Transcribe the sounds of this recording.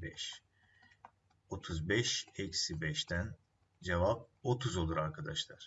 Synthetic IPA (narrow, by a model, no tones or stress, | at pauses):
bɛʃ | o̞t̪ʰuzbɛʃɛcsibɛʃt̪ʰæn | d͡ʒevap̚o̞t̪ʰuzo̞lˠuɾaɾkʰad̪aʃlˠaɾ̥